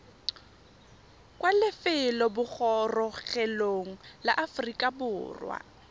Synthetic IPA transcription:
kʼwalɪfɪlɔbʊk͡xɔrɔɣɛloŋ̩laʔafrikʼabʊːrwa̰

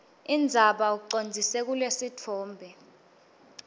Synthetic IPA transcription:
ind͡zʱaɓauk̬ǀond͡zʱisɛk̬ulesitʰɔːmbʱɛ

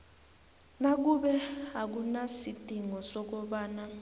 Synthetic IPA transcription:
nak̬uɓɛak̬unasid̥ʱiŋɔsɔk̬ɔɓaːna

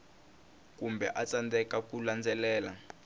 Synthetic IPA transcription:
k̬umbʱɛ̰ʔat͡sandɛkakuland͡zʱɛlɛːla̰

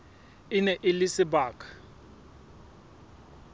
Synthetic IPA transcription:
ɪnɛʔɪlɪsɪbaːkʰʼḁ

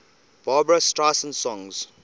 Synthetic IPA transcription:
b̥aːbɹastaːsə̃nsɔ̃ŋz̥

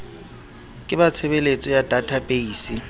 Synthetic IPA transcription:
kʼɪbat͡sʰebelet͡sʼɔjadatʰabʼeiːsi

